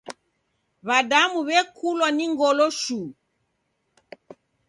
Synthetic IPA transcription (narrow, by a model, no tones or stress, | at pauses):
βadamuβɛkʰulwaniŋɡɔlɔʃu